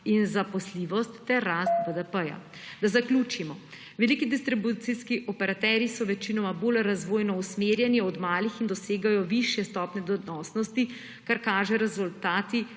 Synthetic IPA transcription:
inzapɔsliʋɔst̪ːɛɾːast̪bəd̪əpəja̰ | d̪azaklʲuːt͡ʃimɔ | ʋɛlikid̪ist̪ɾibut̪siskiʔɔpɛɾat̪ɛɾjisɔʋɛt͡ʃinɔmaboːlɾazʋoːjnɔusmeːɾjɛniɔd̪maːlixind̪ɔseːɡajɔʋiʃjɛst̪ɔpnʲɛd̪ɔnɔːsnɔst̪i | kaɾkaːʒɛɾɛzult̪aːt̪i

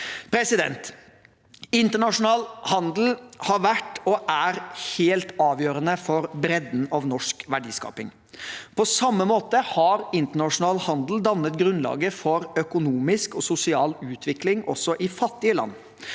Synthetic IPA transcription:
pʰɾɛsɪd̪ɛ̰nt̪ | ɪnt̪əɳɑʂʊnɑːlhɑnd̪l̩hɑɾʋæʈɔʔæɾheːlt̪ɑːʋjøːɾənəfɔɾbɾɛd̪n̩ɑʋnɔʂkʋæɖḭːskɑ̰ːpɪ̰ŋ | pʰɔsɑmːəmoːt̪əhɑɾɪnt̪əɳɑʂʊnɑːlhɑnd̪l̩d̪ɑnːət̪ɡɾʉnlɑ̰ːɡəfɔɾœkʊnuːmɪskɔsʊsɪɑːlʉːt̪ʰʋɪklɪŋʔɔsːɔʔɪfɑt̪ːɪəlɑ̰nː

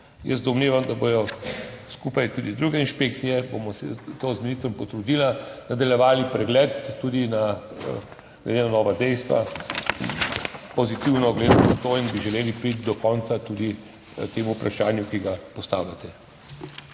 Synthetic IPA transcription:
jə̰sd̪ɔmneːʋamd̪abojɔskupajt̪ud̪id̪ɾuɡɛinʃpeːk̪̚sijɛbomɔsɛt̪ozminist̪ɾɔmpɔt̪ɾud̪ilanad̪aljɛʋaːlipɾɛɡlɛt̪ːuːd̪ina | ɡ̰d̪ʲenanɔːʋad̪ɛjst̪ʋa̰npɔzit̪iwnɔɡled̪at̪at̪oinbiʒɛleːlipɾit̪̚d̪ɔkɔnt̪sat̪ud̪i | t̪eːmuːpɾʔaʃaːnjukiɡapɔst̪a̰ːwlʲat̪ɛ

